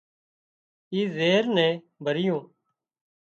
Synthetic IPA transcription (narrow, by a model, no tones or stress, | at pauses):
iːzeːɾnɛ̃ː | bʱəɾɪjõː